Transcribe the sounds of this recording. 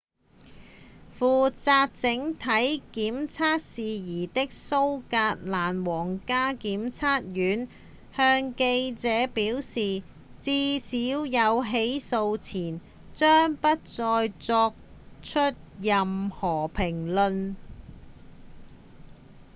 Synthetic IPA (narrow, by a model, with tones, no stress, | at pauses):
fuː˨t͡saː˧t̚t͡sɪ˨˥ŋt̪ʰɐ˨˥jkiː˨˥mt͡sʰaː˥t̚siː˨jiː˨˩t̪ɪ˥k̚so˥wkaː˧t̚laː˨˩nwɔː˨˩ŋkaː˥kiː˨˥mt͡sʰaː˥t̚jyː˨˥n | hœː˧ŋke˧jt͡sɛː˨˥piː˨˥wsiː˨ | t͡siː˧˥siː˨˥wjɐ˨˧wɦe˨˥jso˧wt͡sʰiː˨˩n | t͡ʃœː˥ŋpɐ˥t̚t͡sɔː˧jt͡sɔː˧k̚t͡ʃʰɵ˥t̚jɐ˨mhɔː˨˩pʰɪ˨˩ŋlɵ˧n